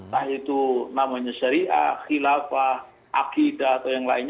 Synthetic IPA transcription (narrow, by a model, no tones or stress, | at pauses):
ahit̪unamaɲaʃaɾiʔa̰xilafah | ʔa̰kidaːt̪awjaŋlaɪɲ